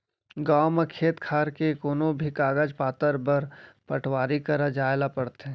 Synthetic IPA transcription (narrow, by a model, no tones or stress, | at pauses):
ɡaːmekʰeːt̪kʰaːɾkekonobʱikaːɡəd͡ʒpaːt̪əɾbəɾpəʈʰwaːɾikəɾad͡ʒaːelapɐɽt̪ẽ